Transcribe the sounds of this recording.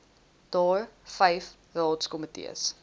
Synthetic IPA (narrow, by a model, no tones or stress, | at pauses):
d̥ɑːrfɐjf | rɑːtskɔmətḭə̰s